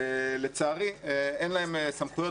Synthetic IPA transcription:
let͡saːʁieenlaemsamχujo

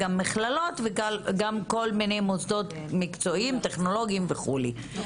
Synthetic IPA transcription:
amːiχlalo̞t̪veɡalɡamko̞lmine̞jmosd̪o̞t̪ | mikt͡so̞imt̪e̞χno̞lo̞ɡiimveχuli

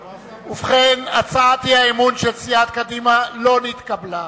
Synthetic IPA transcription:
ufχenat͡saat̪ihaemunʃelt͡siat̪̚kad̪imalo̞nit̪kabla

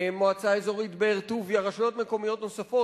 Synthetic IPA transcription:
moat͡saezo̞ʁit̪beeʁt̪uvjaʁaʃujo̞t̪meko̞mijo̞t̪no̞safo̞

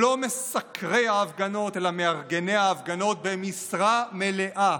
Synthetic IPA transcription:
o̞me̞sakʰʁeaːvɡano̞te̞lame̞aʁɡe̞ne̞jaːvɡano̞t̪̚be̞misʁame̞le̞ʔa

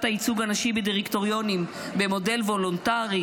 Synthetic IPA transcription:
tait͡suɡanaʃibediʁikt̪o̞ʁjo̞nim | be̞mo̞de̞lvo̞lontaʁi

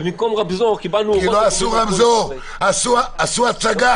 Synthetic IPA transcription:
mikɔmʁabzɔʁkibanukiloasuʁabzoʁ | asuaasuat͡saɡa

